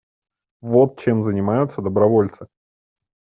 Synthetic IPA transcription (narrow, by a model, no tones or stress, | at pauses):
vo̞t̪̚t͡ɕemzənʲɪmajʊt̪səd̪əbɾɐvo̞lʲt̪sɨ